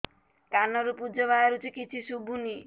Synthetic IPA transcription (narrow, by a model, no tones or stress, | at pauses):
kanɔɾupud͡ʒɔβajaɾut͡ʃʰikit͡ʃʰisubʱuni